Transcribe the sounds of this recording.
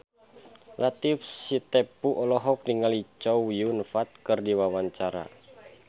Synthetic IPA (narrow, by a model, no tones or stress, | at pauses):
lat̪ifsit̪ɛpuʔɔlɔɦɔk̚diŋalit͡ʃɔwjunfat̪̚kɨrdiwawaɲt͡ʃaɾa̰